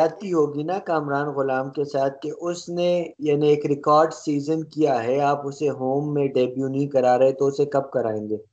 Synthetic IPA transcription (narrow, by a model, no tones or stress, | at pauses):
aːt̪̚kiɦoːɡinakaːmɾaːnɣʊlaːmkesaːt̪̚keʔʊsnejaːnieːkɾɪkɔːɾɖsiːzənkijaɦɛaːpʊseɦoːmːẽɖeːbjuːnɐĩkɐɾaːɾɐɦẽt̪oʊsekɐb̚kɐɾaːẽːŋɡeː